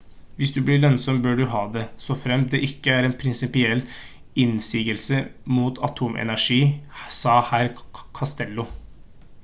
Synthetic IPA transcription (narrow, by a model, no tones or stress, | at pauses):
ʋɪsd̪ʉblɪːɭœnsɔmbøːɖʉɦɑːd̪ɛsɔfɾɛmd̪ɛʔɪkːəæɾɛnpʰɾɪnsɪpɪɛlː | ɪnsiːɡəlsəmuːt̪ʰɑt̪ʰuːmʔɛ̰næʂiːsɑːhæːɾkʰɑst̪ɛlːʊ